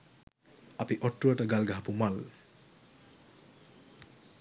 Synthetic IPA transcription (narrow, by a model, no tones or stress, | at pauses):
apiʔɔʈːuɐʈəɡalɡaɦapumal